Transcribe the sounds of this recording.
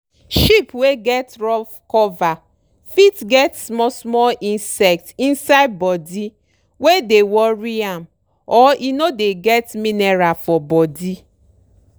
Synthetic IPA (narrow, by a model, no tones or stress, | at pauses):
ʃipweɡɛtɹɔfkɔva | fitɡɛtsmɔsmɔlʔĩnsɛk̚tĩnsaɪd̚bɔdi | wedewɔɹiãm | ɔinodeɡɛtmineɹafɔbɔdi